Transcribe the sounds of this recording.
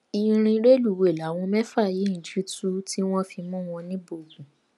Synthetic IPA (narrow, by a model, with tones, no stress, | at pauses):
i˧ɾ̃ĩ˧˦ɾe˦lu˦˨we˨la˨˦w̃ɔ̃˧mɛ˦fa˦˨ji˨˦n̩˨d͡ʒi˦tu˦ti˦w̃ɔ̃˦fi˧mũ˦w̃ɔ̃˧nĩ˦bo˦˨zũ˨